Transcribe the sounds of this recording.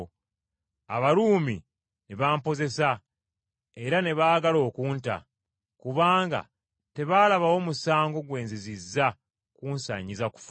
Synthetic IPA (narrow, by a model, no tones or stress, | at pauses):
aβaɾuːmi | neβaːmpo̞ze̞sa | e̞ɾane̞βaːɡalo̞ːkuːnta̰ | kuβaːŋɡa̰ | te̞βaːlaβawo̞musaːŋɡo̞ɡwe̞ːnzizizːa | kuːnsa̰ːɲizaku̥f